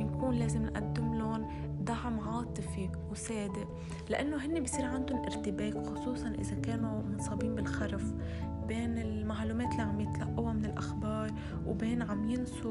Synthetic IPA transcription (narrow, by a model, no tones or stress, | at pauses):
ɪnkuːnleːzɪmnʔa̰d̪ːɪmlʊn | d̪aʕmʕɑːt̪ˤɨfi | wseːd̪ɪʔ | lɪʔanːoɦɪnːebisˤiːɾʕand̪ʊnʔɪɾt̪ɪbeːkxʊsˤuːsˤɑnʔɪ̰zakeːnumʊnsˤɑːbiːnbɪlxaɾˤf | beːnɪlmaʕluːmeːt̪lːiːʕamjɪt̪laʔːawamɪnɪlʔaxbɑːɾˤ | wbeːnʕamjɪnsu